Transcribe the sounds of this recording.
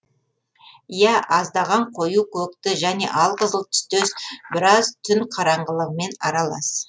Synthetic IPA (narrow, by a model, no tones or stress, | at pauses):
jæʔɑzd̪ɑʁɑɴqʰo̞jukʲʰɵkt̪ɪʒæne̞̰ʔɑlˠqəzəlˠt̪ʰʏ̥st̪esbɪɾɑzt̪ʰʏnqʰɑɾɑɴʁəlˠəʁəme̞nɑɾɑlˠɑs